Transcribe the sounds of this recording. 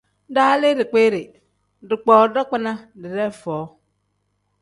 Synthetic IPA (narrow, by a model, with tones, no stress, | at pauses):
daː˦le˦dɪ˨k͡pe˦ɾɪ˨ | dɪ˨k͡pɔː˨˦dɔ˦k͡pɪ˦na˦dɪ˨ɾɛ˦fɔː˨˦